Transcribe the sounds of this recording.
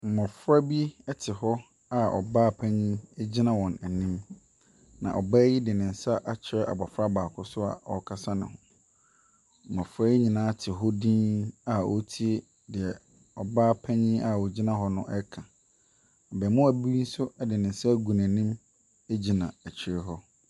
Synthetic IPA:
m̩˨mɔ̃˨fɾa˦bi˦ɛ˦tʰɪ˨hɔ˦ | a˨ɔ̰˨baː˦˨pʰɛ̃˦ɲĩ˦ɛ˦d͡ʑi˦nã˦wɔ̃˨næ˨nĩ˦m | nã̰˨ʔɔ˨bɛː˦jɪ˦dɪ˨nɪ̃˨n̩˨sa˦ʔa˦t͡ɕʰɪ˨ɾɛ˦ʔa̰˨ba˨fɾa˦baː˨kʰʊ˦sʊ˦a̰˨ɔ˨kʰa˦sa˦nɪ̰̃˨hʊ̰̃˨ | mã˨fɾɛ˦ɲĩ˨nãː˦tʰɪ˨ɦɔ˦dĩː˦a˨o˦tʰi˦e˦ | dɪ˨ɛ˨ | ɔ˨baː˦pʰæ˦ɲĩ˦a˨ɔ˨d͡ʑi˦nã˦ɦɔ˦nʊ̃˦ʔɛ˦kʰã˨ | ɔ˨bɛ˨mʊ̃˦æ˨bi˦n̩˦sʊ˦ɛ˦dɪ˨nɪ̃˨n̩˨sa˦ɡu˨næ̃˨nĩ˦m˦ | d͡ʑi˨nã˨æ˨t͡ɕʰɪ˨ɾɛ˦ɦɔ˦

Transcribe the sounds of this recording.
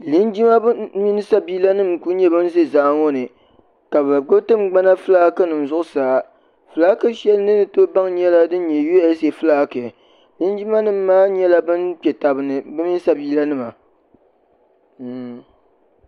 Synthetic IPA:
li˦nd͡ʒi˦ma˦bmi˦nɨ˦sa˦biː˦la˦nɨ˦˨mku˦ɲɛ˦bɨ˦n˦ze˦zaː˨˦ŋɔ˦nɨ˨ | ka˨ba˨ɡ͡bo˦btɨ˦mɡ͡ba˦na˦fɨ˦laː˦kɨ˦nɨ˨m˨zʊ˦ʔʊ˦saː˨˦ | fɨ˨laː˦kɨ˦ʃɛ˦lɨ˦nɨ˦nɨ˨to˦ba˦ŋɲɛ˦la˦dɨ˦n˦ɲɛ˨jo˦a˦se˨fɨ˦laː˦kɨ˨ | li˦nd͡ʒi˦ma˦nɨ˦mː˦aː˦ɲɛ˦la˦bɨ˦npɛ˨ta˨bɨ˨nɨ˨bɨ˦mi˦n˦sa˦biː˦la˦nɨ˦ma˨

